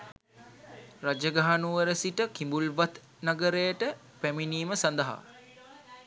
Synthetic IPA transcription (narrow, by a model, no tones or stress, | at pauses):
rad͡ʒəɡaɦanuʋəɾəsiʈəkimbulʋat̪ | naɡəɾejəʈə | pæminiːməsand̪ɐɦa̰